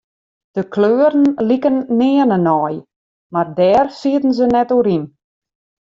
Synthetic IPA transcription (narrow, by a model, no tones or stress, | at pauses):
d̥əkløːəɾən̩likənːɪːənənɔj | mardɛːrsiətən̩zənɛtoːɾin